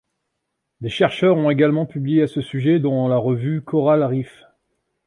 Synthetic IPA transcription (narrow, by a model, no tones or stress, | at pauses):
d̪eʃɛʁʃœʁɔ̃teɡalmɑ̃pyblijeasəsyʒɛd̪ɑ̃laʁəvykɔʁalʁif